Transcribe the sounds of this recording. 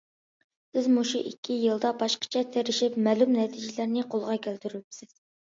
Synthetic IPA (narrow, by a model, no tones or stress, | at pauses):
sɪzmuʃṵʔikʲʰːijɨlˠd̪ɑbɑʃqə̥t͡ʃʰɛt̪ʰeɾɪʃɪpmɛlumnɛt̪ʰid͡ʒilæɾnɪqʰolˠʁɑkʲʰælt̪yɾpsɪz̥